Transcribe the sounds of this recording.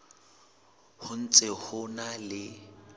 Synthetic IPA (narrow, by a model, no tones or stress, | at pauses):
hʊn̩t͡sʼehʊnalɪ